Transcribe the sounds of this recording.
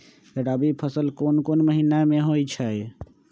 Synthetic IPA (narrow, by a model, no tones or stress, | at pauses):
kəɽabipʰəsəlkonkonməɦinameɦojt͡ʃʰəj